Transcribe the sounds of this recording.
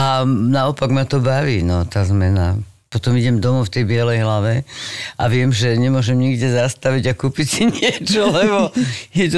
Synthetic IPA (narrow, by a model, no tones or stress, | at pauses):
anaɔpaɡmat̪ɔbaʋiːnɔt̪azmɛna̰ | pɔt̪ɔmiɟɛmd̪ɔmɔft̪ɛjbɪɛlɛjɦlaʋɛʔa̰ʋɪɛmʒɛɲɛmʊɔʒɛmɲiɡɟɛzast̪aʋiɟakuːpicsiɲɪɛt͡ʃɔlɛbɔjɛt̪